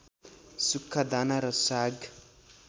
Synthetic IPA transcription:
sukːad̪anaɾɐsaɡ

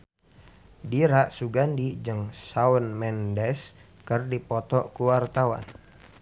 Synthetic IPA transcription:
diɾaʔsuɡandid͡ʒɨŋsaunmɛndɛs | kərdipɔt̪ɔkuwart̪awa̰n

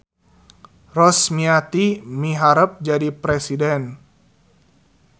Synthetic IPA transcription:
rɔsmiat̪imiɦaɾəp̚d͡ʒadipɾesidɛn

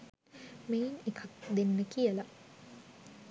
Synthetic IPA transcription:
meːnekʰak̚d̪enːəkijəla

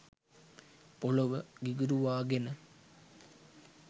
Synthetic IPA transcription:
poɭɐʋəɡiɡuɾuʋaːɡenə

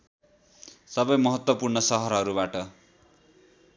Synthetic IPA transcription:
sʌbʌjmʌɦʌt̪wʌpurnʌsʌɦʌɾɦʌɾubaʈʌ

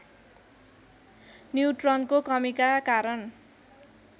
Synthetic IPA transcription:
njuʈrʌnkokʌmikakaɾʌn

